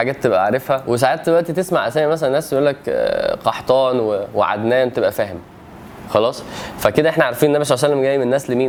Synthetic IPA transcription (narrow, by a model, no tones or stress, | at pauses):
ħaɡæːt̪ːebʔæʕɾˤefhæwes̬aʕeːt̪̚d̪elwæʔt̪it̪esmaʕʔæsæːmæmæsælænːæːsjejʔulːækqɑħt̪ˤɑːnwewḛʕa̰d̪næːnt̪ebʔæfæːhem | xɑlɑːsˤfæked̪æʔeħnæʕɑɾˤfiːnʔnːæbæʃ̬oʕsælːemɡæːjːmenenːæːslemiːn